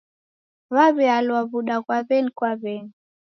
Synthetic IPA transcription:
βaβɛalwaβuɗakwaβɛnikwaβɛni

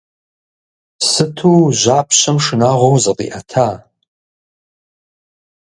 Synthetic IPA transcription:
sɨtʰuːʑaːpʰɕɐmʂɨnaːʁʷowzɨqḭːʔɐtʰaː

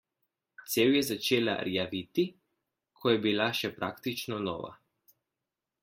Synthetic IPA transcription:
t̪seːwjɛzat͡ʃeːla̰ɾjaʋit̪i | kʰɔjɛbilaʃɛpɾʔa̰ːkt̪it͡ʃnɔnɔ̰ːʋa̰

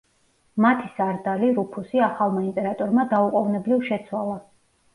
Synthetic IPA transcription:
mat̪ʰisaɾd̪aliɾupʰusiaχalˠmainp̪ʼɛɾat̪ʼɔɾmad̪auqʼɔvnɛblivʃɛt̪sʰwalˠa

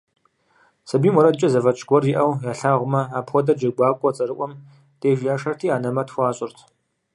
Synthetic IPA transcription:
sɐbiːmɔɾɐdt͡ʃʼɐzɐvɐt͡ʃʼɡʷɔrjɪʔɐwjaːɬaːʁʷʊmɐaːpxʷɔdɐd͡ʒɐɡʷaːkʷʼɔt͡sʼɐɾɨʔʷɔm | d̥eːʒjaːʂɐrtʰiːaːnɐmɐtxʷaːɕʼɪrtʰ

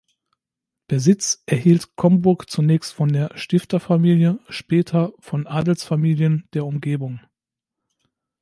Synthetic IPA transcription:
d̥eːɐzɪt͡sʔɛɐɦiːltkʰɔmbʊɐkt͡sunɛːçstfɔndeːɐʃtɪftɐfamiːljəʃpɛːtʰɐfɔnʔaːdl̩sfamiːljənd̥eːɐʊmɡeːbʊŋ

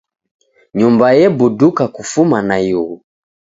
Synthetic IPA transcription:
ɲumbajɛbudukakufumanajuɣu

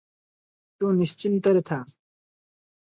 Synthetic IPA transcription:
t̪uːniɕt͡ɕimt̪ɐɾet̪ʰaː

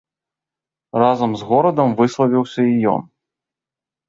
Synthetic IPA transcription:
razɐmzɣɔɾɐd̪ɐmvɨslˠɐvʲiwsʲɐijɔ̰n

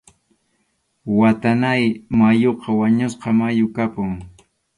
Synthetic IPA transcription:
wat̪anajmajoqɑwaɲʊsqɑmajʊkapʊŋ

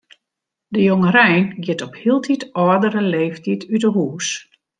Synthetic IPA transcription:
dəjoŋərɛjnɡjɪtɔphiəlˠtʰitɔədəɾəleːftitʰydəɦuːs

